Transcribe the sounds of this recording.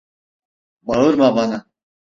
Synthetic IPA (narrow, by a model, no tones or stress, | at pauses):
baɯɾmabana